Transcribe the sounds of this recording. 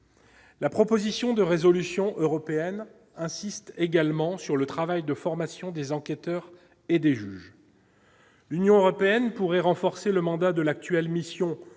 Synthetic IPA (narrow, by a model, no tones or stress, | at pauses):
lapχɔpozisjɔ̃d̪əʁezɔlysjɔ̃ʔøʁɔpeɛn | ɛ̃sist̪eɡalmɑ̃syʁlət̪χavajd̪əfɔʁmasjɔ̃d̪ezɑ̃kʲɛt̪œʁ | ed̪eʒyʒ | lynjɔ̃øʁɔpeɛnpuʁɛʁɑ̃fɔʁseləmɑ̃d̪ad̪əlak̚t̪ɥɛlmisjɔ̃